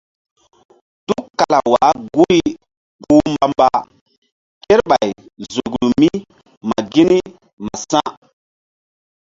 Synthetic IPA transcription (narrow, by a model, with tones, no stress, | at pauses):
tu˦kːa˨la˨wa˨˦ɡu˦i˦ | bu˦mba˨mba˨ | ke˦ɾɓa˨jzo˨ɡlu˨mi˦ | ma˨ɡi˦ni˦ | ma˨sã˦